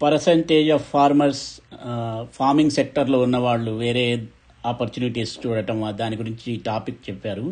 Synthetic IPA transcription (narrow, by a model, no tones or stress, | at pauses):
pɐɾɐsɐɳʈeːd͡ʒɐfpʰːaːɾmɐɾs | pʰaːɾmiŋɡsek̚ʈɐɾloːunːɐʋaːɭːuʋeːɾeː | aːpɐɾt͡ʃuːniʈiːst͡ʃuːɽɐʈɐmaːd̪aːniɡuɾiɲt͡ʃiʈaːpikt͡ʃɛpːaːɾu